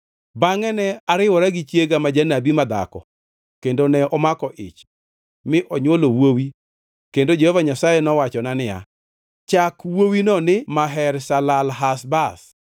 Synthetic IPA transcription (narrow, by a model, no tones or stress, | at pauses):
baŋɛnɛaɾɪwɔɾaɡɪt͡ʃjeɡamad͡ʒanabimad̪a̰kɔ̰ | kendonɛʔɔmakɔʔɪ̰t͡ʃ | mɪʔɔɲwolowowi | kendod͡ʒehovaɲasajɛnɔwat͡ʃɔnanɪja̰ | t͡ʃakwowinɔnɪmaɦɛɾsalalɦasbas